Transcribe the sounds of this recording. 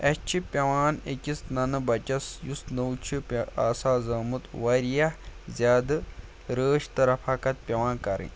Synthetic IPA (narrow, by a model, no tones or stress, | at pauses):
ɐst͡ʃʰipʲɐʋaːnḛkʲisnɐnɨbɐt͡ʃɐsjusnɐwt͡ʃʰipʲɐaːsaːzɐːmɨt̪wɐɾijɐhzʲaːd̪ɨ | ɾəːʃt̪ɐɾɐpʰaːkɐt̪̚pʲɐʋaːnkɐɾɨ̰̃